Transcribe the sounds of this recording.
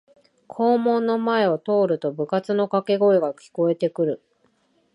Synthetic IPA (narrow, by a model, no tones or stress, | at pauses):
kʰo̞ːmõ̞nːo̞mae̞ot̪o̞ːɾɯ̟t̪o̞bɯ̟kat͡sɨno̞kake̞ɡo̞eɡakʲi̥ko̞e̞t̪e̞kɯ̟ɾɯ̟